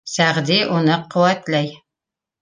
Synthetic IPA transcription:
sæʁd̪iʔunɤqʰʊ̆wæt̪læj

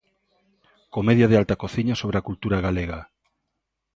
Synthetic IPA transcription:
komeðjaðealt̪akoθiɲasoβɾeakult̪uɾaɣaleɣ̞a

